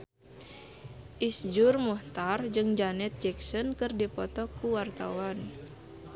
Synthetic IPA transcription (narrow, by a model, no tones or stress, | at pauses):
ʔisd͡ʒurmɔht̪ard͡ʒɨŋd͡ʒanɛt̪̚d͡ʒɛksɔnkɨrdipɔt̪ɔkuwart̪a̰wan